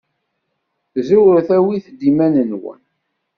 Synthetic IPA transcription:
zuwəɾθæwiθd̪imænənwə̰n

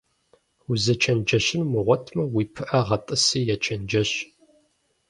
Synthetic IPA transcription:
uzɐt͡ʃʰɐnd͡ʒɐɕɪnmɨʁʷɔtʰmɐwiːpʰɨʔɐʁɐtʼɨsiːjɛt͡ʃʰɐnd͡ʒɐɕ

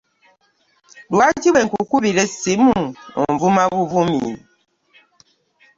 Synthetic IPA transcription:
dwatiwɛŋkukuβiɾesimũɔ̰ɱvumãβuvumḭ

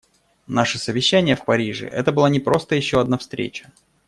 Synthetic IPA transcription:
naʂɨsəvʲɪɕːænʲɪjəfpɐɾʲiʐɨ̰ʔɛ̰t̪əbɨlˠanʲɪpɾo̞st̪əjɪɕːo̞ɐd̪nafst̪ɾʲḛt͡ɕə̥

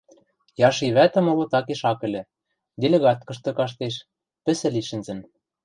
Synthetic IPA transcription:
jɑʃiβæt̪ɘ̆mŏlŏt̪ɑkeʃɑkɘ̆lʲɘ̆ | dʲelʲeɣɑt̪̚kɤ̆ʃt̪ɤ̆kɑʃ̬t̪eʃ | pɘ̆sɘ̆liʃɘ̆nzɘ̆n

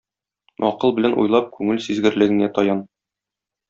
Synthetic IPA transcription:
ɒ̰qɤlˠbɘ̆lænʔṵjlˠɑp̚kʉŋɘlsizɡɘ̆ɾlɘ̆ɡɘ̆næt̪ɒjɑn

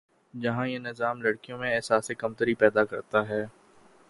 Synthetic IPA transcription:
d͡ʒɐɦãjenɪzaːmlɐɽkijõmẽɛːsaːsekɐmt̪əɾipɛːd̪akɐɾt̪aɦɛː

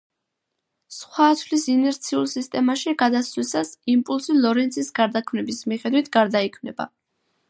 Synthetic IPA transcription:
sχwat̪ʰvlisinɛɾt̪sʰiulˠsist̪ʼɛmaʃiɡad̪aswisasimpʼulˠsilˠɔɾɛnt̪sʰisɡaɾd̪akʰmnɛbismiχɛd̪wit̪ʰɡaɾd̪aikʰmnɛba̰

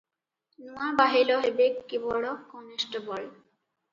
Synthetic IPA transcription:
nũabaɦiloɦebekːibɔɽokɔnesʈəbɔl

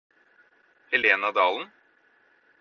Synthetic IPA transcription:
hɛleːnɑd̪ɑːln̩

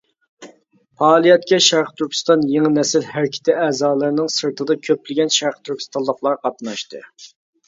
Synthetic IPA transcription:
pʰɑːlˠijɛt̪̚kʲɛʃæɾqʰt̪ʰyɾkʲʰi̥st̪ɑnjeŋɨnɛsɪlhæɾkʲʰɪ̥t̪ɪɛːzɑːlˠɨɾnɨŋsɨɾt̪ʰɨd̪ɑkʲʰøplɪɡʲɛnʃæɾqt̪ʰyɾkʰʲi̥st̪ʰɑnlˠəqlˠɑɾqʰɑt̪nɑʃt̪ɨ̰

